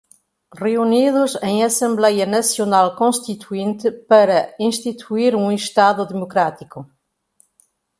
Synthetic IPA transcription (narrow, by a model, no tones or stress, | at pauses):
reuniðʊzẽj̃ɐsẽmblɛjɐnɐsjonalˠkõst̪it̪uẽnt̪ɪpɐɾɐĩst̪it̪ʰuiɾũeʃt̪aðʊðemokɾat̪ikʊ